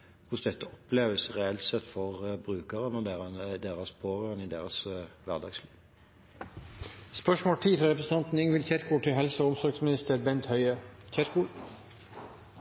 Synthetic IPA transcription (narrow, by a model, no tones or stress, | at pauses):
kʰʊsd̪ɛt̪ːəɔpleːʋəsʁɛɛlt̪sɛt̪ːfɔʁbʁʉːkəʁənəd̪eːənd̪eːʁɑspʰoːʁøʁənɪd̪ḛːʁɑsʋæʁd̪ɑ̰ːɡsliːʋ | spœʂmoːlʈ̪ʰiːfɾɑɾɛpɾəsən̩t̪ɑnt̪n̩ɪŋʋɪlçɛɾkʰuːʈʰɪlɦɛlsəʊmsɔɾɡsmɪnɪst̪əɾbɛnt̪hœʏəçʰɛɾkuː